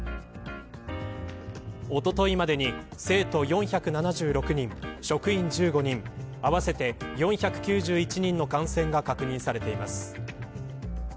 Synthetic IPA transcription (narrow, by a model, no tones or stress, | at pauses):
o̞t̪o̞t̪o̞imad̪e̞ɲ̟ise̞ːt̪o̞jõ̞ɰ̃çʲakɯ̟nanaʑɨːɾo̞kɯ̟ɲ̟ĩŋɕo̞kɯ̟ĩɲd͡ʑɨːɡo̞ɲ̟ĩŋaβase̞t̪e̞jõ̞ɰ̃çʲakɯ̟̥kʲɨːʑɨːit͡ɕiɲ̟ĩnːo̞kãɰ̃sẽ̞ŋɡakakɯ̟ɲ̟ĩsaɾe̞t̪e̞imasɨ̥